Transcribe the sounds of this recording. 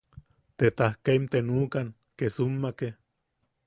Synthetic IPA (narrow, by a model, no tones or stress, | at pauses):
t̪et̪ahkeimt̪enuːkan | kesumːake